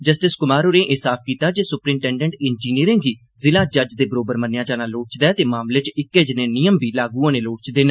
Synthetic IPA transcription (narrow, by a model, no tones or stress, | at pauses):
d͡ʒəsʈɪskʊmaːɾoːneːʔeɦsaːp̚ʰkiːt̪aːd͡ʒeːsʊpɾiːmʈɛ̃ːɳɖɛ̃ɳʈɪnd͡ʒiːniəɾɪ̃ːŋɡiː | zɪlãːd͡ʒəd͡ʒd̪eːbəɾoːbəɾmənːejãːd͡ʒaːnãːloːʈt͡ʃd̪ɛːt̪eːmaːmleːt͡ʃɪkːeːd͡ʒɪneːnɪjəmbʱiːlaːɡuːãːnẽːloːʈt͡ʃd̪eːnː